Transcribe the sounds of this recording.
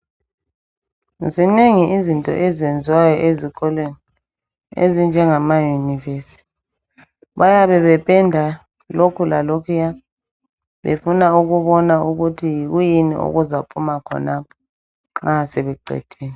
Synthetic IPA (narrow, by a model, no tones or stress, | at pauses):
zineŋiʔizintʼɔ̰ʔɛzend͡zʱiwajɔʔeziɣɔlweni | ḛzind͡ʒʱɛŋamajuniveːsi̥t | βajaβɛβɛpʼɛndʱa | lokʰulalokʰija | βḛfunauɣuβɔnauɣutʰijiɣujinḭʔo̰ɣuzapʰʼumakʰɔ̰napʰɔ̥ | ŋ͡ǁaseβɛǃʱɛ̰d̥ʰʱeːnɛ